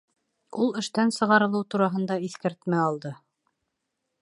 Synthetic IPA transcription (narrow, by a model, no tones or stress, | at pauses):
ulˠɘ̆ʃt̪ænsɤ̆ʁɑɾɤ̆lˠɤwt̪uɾɑɦɤ̆nd̪ɑiθkæɾt̪mæɑlˠd̪ɤ